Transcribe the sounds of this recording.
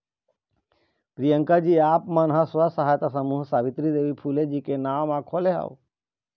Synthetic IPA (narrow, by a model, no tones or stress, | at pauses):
pɾijə̃ŋkad͡ʒiːaːpmanɦãsʋasəɦaːjt̪asəmuːɦsaːʋɪt̪ɾid̪eːʋipʰuːled͡ʒiːkenaːmãkʰoːleɦa̰ʋ